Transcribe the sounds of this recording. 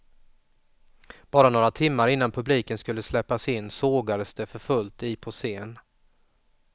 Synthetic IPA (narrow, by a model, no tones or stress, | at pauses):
b̥ɑːɾanoːɾat̪ʰɪmːaɾɪnːanpʰɵbliːkənskɵlːəslɛpːasɪnːsoːɡad̪əsd̪̥ɛfœɾfɵlt̪ɪpʰɔseːn